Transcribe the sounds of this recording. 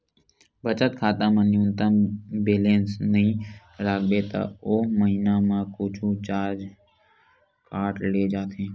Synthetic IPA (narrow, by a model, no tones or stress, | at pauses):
bət͡ʃət̪̚kʰaːt̪ãmə̃njuʊnt̪əmbeːlẽːnsnəɦĩ | ɾaːɡb̪et̪a̰oːməɦinamãkʊːt͡ʃʰut͡ʃaːɾd͡ʒ | kaːʈleːd͡ʒaːt̪ẽː